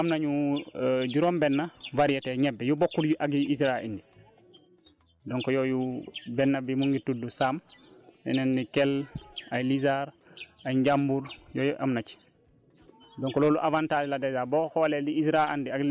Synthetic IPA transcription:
ʔamnaɲu | ɟuɾombɛnːavaɾijatɛɲɛbːɛjubokːuɾjuʔaɡiʔisɾaḭndi | dɔŋkɔjɔjubɛnːabimuŋɡitudusamɛ̰nɛnːikɛlajlizaɾ | ajɲɟambuɾjɔːjuʔa̰mnat͡ʃi̥ | dɔŋkɔloːluʔavantaliladazabɔhɔːlɛldiisɾaandiaɡ

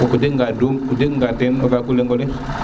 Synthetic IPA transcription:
okudeŋɡadomkudekŋɡatenɔbakuleŋɡɔle

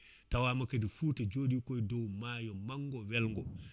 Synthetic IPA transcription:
tawaːmakadifutad͡ʒoːdikɔjdɔwmajɔmaŋɡɔwɛlŋɡɔ

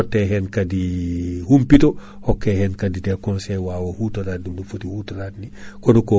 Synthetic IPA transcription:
otːeɦɛnkadihumpito | hokːehɛnkadidekõnsejwaːwɐhutoɾaːdumːufutihutaɾaːtnikonuko

